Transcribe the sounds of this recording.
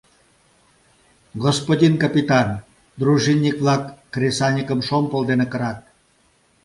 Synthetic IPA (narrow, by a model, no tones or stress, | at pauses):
ɣospod̪ʲinkapit̪ɑn | d̪ruʒinʲːikβlɑkːrʲesɑnʲikəmʃompolˠd̪enekəɾɑt̪̚